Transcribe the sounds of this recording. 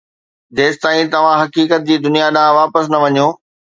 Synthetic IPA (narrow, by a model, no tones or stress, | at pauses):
d͡ʑeːst̪aːĩt̪ɐʋ̤ãɦɐkiːkət̪̚d͡ʑiːd̪ʊnijaɗãʋaːpəsnɐʋɐɲjoː